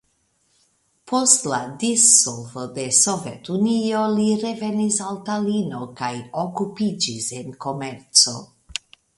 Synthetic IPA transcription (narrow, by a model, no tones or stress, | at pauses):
pʰo̞stladisolvode̞sovetunio̞liɾe̞ve̞nisaltalino̞kajokupid͡ʒise̞nko̞me̞ɾt͡so̞̰